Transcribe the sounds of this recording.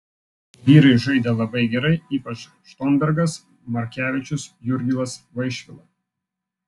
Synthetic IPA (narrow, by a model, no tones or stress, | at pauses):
ʋʲiːɾɐɪʒɐɪd̪ʲeːlˠɐbɐɪɡʲɛɾɐɪiːpɐt͡ʃ | ʃt̪oːnbʲɛɾɡɐs | mɐɾʲkʲæːʋʲɪt͡ʃʲʊsjʊɾʲɡʲɪlˠɐsʋɐɪʃʲʋʲɪlˠɐ